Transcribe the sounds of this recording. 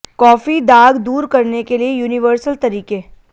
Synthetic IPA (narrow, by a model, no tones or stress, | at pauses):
kɔːfid̪aːɡd̪uːɾkɐɾnekeliejuːnɪʋəɾsəlt̪ɐɾiːke